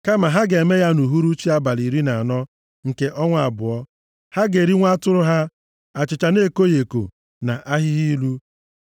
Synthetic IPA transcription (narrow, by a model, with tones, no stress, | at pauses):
ka˦ma˨ɦa˦ɡe˨me˦ja˦nu˨ɦu˦ɾu˦t͡ʃi˦a˦ba˨li˨ɾi˦na˨a˨nɔ˦ | ŋ̩˨ke˨ʔɔ˦ŋʷa˨a˨bʊ̰˨ɔ˦ | ha˦ɡe˨ɾi˦ŋʷa˦tʊ˦ɾʊ˦ɦa˦ | a˨t͡ʃɪ˨t͡ʃa˨ne˦ko˦je˨ko̰˨ | na˨ʔa˦ɦɪ˦ɣi˦lu˦